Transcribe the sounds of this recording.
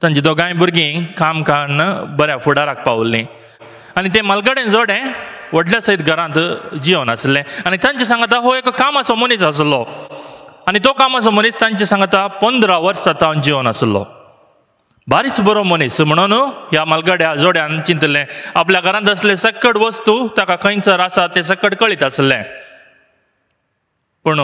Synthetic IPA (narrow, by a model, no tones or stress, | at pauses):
t̪ãɲt͡ɕit̪õɡãj̃buɾɡĩkamkanbəɾjãfuɽaɾak̚paʋlːḭ̃ | anit̪̬ɛ̃məlɡəɽẽd͡zoɽɛ̃ʋəɽljasait̪ɡʱəɾãnt̪d͡ʑiõnəslɛ̃anit̪jãɲt͡ɕis̬ãŋɡt̪̬aɦoekkːamasɔmonisəs̬lɔ | anit̪ɔkamas̬ɔmonist̪ãɲt͡ɕisãŋɡt̪apənd̪ɾaʋəɾsat̪and͡ʑionəslɔ̰ | baɾisbəɾomonism̤əɽ̃unɦjaməlɡaɽjad͡zoɽjãnt͡ɕint̪lɛ̃apljaɡʱəɾãnt̪̬əslɛ̃səkəɽʋəst̪ut̪jakakəjnt͡səɾasat̪ɛ̃s̬əkəɽkəɭiːt̪əslɛ̰̃ | pəɳ